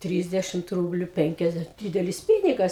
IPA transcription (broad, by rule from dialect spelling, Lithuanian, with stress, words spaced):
ˈtʲrʲiːzʲdʲɛʃʲɪmt ˈruːbʲlʲʊ ˈpʲɛŋʲkʲɛzʲdʲɛ ˈdʲiːdʲɛlʲɪs ˈpʲiːnʲɪɡɐs